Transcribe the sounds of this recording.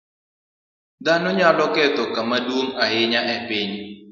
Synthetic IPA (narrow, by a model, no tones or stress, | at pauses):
d̪anɔɲalɔkɛt̪ɔkamadwoŋahɪɲaʔɛpɪɲ